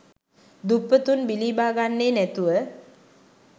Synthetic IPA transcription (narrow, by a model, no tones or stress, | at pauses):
d̪upːət̪unbiliːbaːɡanːeːnæt̪uʋə